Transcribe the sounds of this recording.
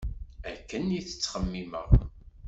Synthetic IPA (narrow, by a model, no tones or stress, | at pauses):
ækːəniθə̥t͡sːχəmːiməʁ